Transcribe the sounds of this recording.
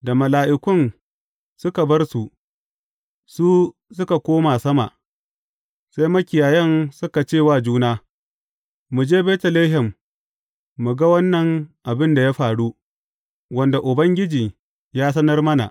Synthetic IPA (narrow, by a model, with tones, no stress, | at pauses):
da˨mɐ˨laː˨ʔɪ˦kʷʊ˦˨n | sʊ˦ka˨bɐ˦rsu˨ʔ | suː˦ | sʊ˦ka˨kʷoː˦ma˨sɐ˦ma̰˨ | sa˦jmɐ˦kʲɪ˨jaː˨jɛ˦nsʊ˦ka˨t͡ʃeː˦˨waː˦d͡ʒuː˦naː˦ | mu˨d͡ʒeː˦beː˦tɐ˨leː˦ɦɛ˨mː | u˨ɡa˦wɐ˦nːɐ˨ŋʔa˨bɪ˦nda˨ja˦ɸaː˨ɽu˦ | wɐ˦nda˨ʔʊ˨bɐ˦ŋɡʲɪ˦d͡ʒiː˨ | jaː˦s̬ɐ˦nɐ˦rmɐ˦na̰˨ʔ